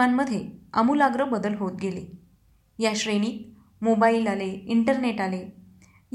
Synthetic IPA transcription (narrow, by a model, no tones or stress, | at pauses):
anməd̪ʱːjeəmuːlaɡɾəbəd̪əlɦot̪̚ɡele | jaɕɾeɽ̃iːt̪̚ | mobailaleiɳʈəɾneʈale | j